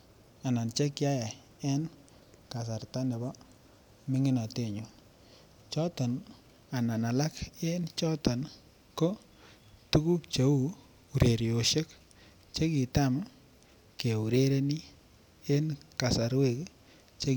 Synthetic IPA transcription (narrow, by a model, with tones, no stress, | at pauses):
a˨na˨nt͡ʃe˦kja˦ja˨ | ɛ˦n | ka˨s̬a˨ɾta˦nɛ˨bɔ˦ | mɪ˦ŋɪ˦na˨te˦˨ɲu˨n | t͡ʃɔ˦tɔ˨n | a˨na˨na˨la˦ke˦nt͡ʃɔ˦tɔ˨n | ko˦ | tu˦ku˦kt͡ʃe˨u˦ | u˨ɾe˨ɾjo˨ʃe˦k | t͡ʃe˦ki˨ta˦m | ke˨u˨ɾe˦ɾe˦ni˦ | e˦nka˨sa˨ɾwe˦˨k | t͡ʃe˦